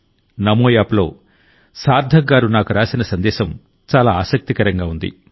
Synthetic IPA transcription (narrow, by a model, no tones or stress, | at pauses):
nɐmoːjaːplo̞̰ː | saːɾd̪ʱɐɡaːɾunaːkuɾaːsinɐsɐnd̪ɛːʃɐm | t͡ʃaːlaːaːsɐk̚t̪ikɐɾɐŋɡaːund̪ḭ